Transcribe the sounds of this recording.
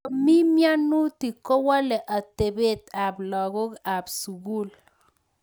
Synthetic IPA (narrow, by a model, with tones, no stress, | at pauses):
mi˦mja˦nːu˦t̪i˨kɔ˦wa˦lɛ˨ʔa˨t̪e˨be˦˨t̪a˨blɔ˨ɡo˦ka˨bsu˨ɡu˦˨l